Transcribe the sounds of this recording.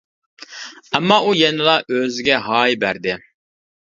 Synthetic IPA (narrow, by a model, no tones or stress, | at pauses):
æmːɑʔujɛnɪlˠɑʔøzɪɡʲɛɦɑːjbæɾd̪ɪ